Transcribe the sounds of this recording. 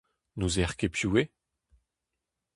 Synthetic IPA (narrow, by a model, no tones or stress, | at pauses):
nuzɛʁkepʰjue